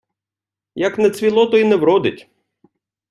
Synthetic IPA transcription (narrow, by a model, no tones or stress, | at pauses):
jɐknɛt͡s̪ʲʋʲilˠɔt̪ɔinɛwɾɔd̪ɪtʲ